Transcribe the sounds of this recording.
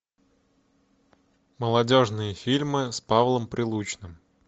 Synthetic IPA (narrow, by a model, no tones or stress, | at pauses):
məlˠɐdʲoʐnɨjəfʲilʲmɨspavlˠəmpɾʲʔɪlˠut͡ɕnɨm